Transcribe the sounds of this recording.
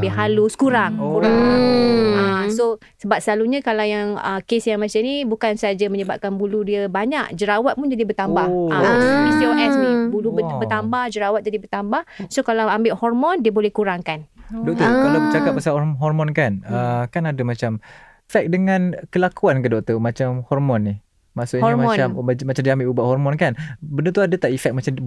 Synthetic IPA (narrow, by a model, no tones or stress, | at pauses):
bɪɦaluskuɾaŋkuɾaŋ | aso | səbap̚səlaluɲãkalawjaŋə̰kesjaŋmãt͡ʃanibukansəɦad͡ʒaməɲəbap̚kanbuludiəbaɲakd͡ʒəɾawat̪̚pund͡ʒadibət̪ambahʔasoisioʔɛsnibuluəbət̪ambahd͡ʒəɾawat̪̚d͡ʒadibərt̪ambahsokalawambɪʔhɔrmɔndiəbolɛhkuɾaŋkandɔk̚t̪ɔkalawət͡ʃakap̚ːasaɔɦɔrmɔnkanəkanadamat͡ʃam | fɛk̚dəŋãnkəlakuankədɔk̚t̪omat͡ʃamhɔrmɔnːih | maʔsʊʔhɔrmaɔammat͡ʃamdiəambɪʔubaʔhɔrmɔnkanbəndət̪uadət̪aʔifɛk̚mat͡ʃam